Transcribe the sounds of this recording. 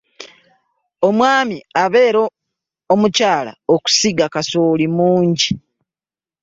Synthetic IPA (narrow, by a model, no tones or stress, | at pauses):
o̞mwaːmiaβe̞ːɾoː | mucaːla̰oku̥siɡakasoːlimuːɲɟi